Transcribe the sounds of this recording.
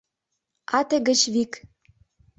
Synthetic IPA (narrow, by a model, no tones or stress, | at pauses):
ɑt̪ĕɡə̆t͡ɕβik